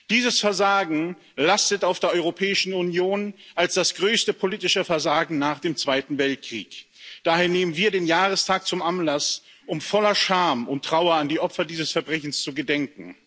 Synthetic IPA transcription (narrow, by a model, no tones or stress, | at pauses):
d̥iːzəsfɛɐzaːɡŋ̩ | lastətaʊfd̥eːɐɔʏʁopʰɛːɪʃn̩unjoːnʔalsd̥asɡ̥ʁøːstəpʰoliːtɪʃəfɛɐzaːɡŋ̩naːχd̥eːmt͡sv̥aɪtn̩vɛlt̚kʁ̥ḭːkd̥aːɦeːɐneːmənviːɐdeːnjaːʁəstʰaːk̚t͡sʊmʔanlas | ʔʊmfɔlɐʃaɐmʊntʁ̥aʊɐandiːʔɔpfɐdiːzəsfɛɐbʁɛçn̩st͡suɡədɛŋkŋ̩